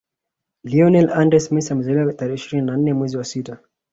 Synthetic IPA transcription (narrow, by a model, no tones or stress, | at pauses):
liɔnɛlandɾɛsmisamuzɛliwataɾɛʃiɾininan̩nɛmwɛziwasita